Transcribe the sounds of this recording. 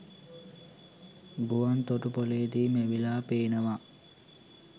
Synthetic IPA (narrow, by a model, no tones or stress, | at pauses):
ɡuant̪oʈupoleːd̪iːmeʋilaːpeːnəʋa